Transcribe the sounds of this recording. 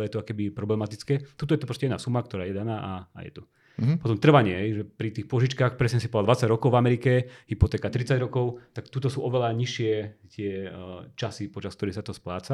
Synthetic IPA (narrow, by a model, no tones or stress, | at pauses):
lɛjɛt̪ɔkkɛbipɾɔblɛmat̪it͡skɛːt̪ut̪ɔjɛt̪ɔpɾɔscɛɛd̪aːsumak̚t̪ɔɾaːjɛd̪anaːʔaa̰jɛ̰t̪u | pɔt̪̬ɔmt̪r̩ʋaɲɪɛɦɛjʒɛpɾit̪iːxpʊɔʒit͡ʃkaːxpɾɛsɲɛsi̥pɔʋald̪ʋat͡saɟɾɔkɔʊvamɛɾikɛɦipɔt̪ɛːkat̪ɾit͡saɟɾɔkɔʊt̪akt̪ut̪ɔsuːʔɔʋɛlaɲiʃɪɛt̪ɪɛt͡ʃasipɔt͡ʃaskt̪ɔɾiːxsat̪ɔsplaːt͡sa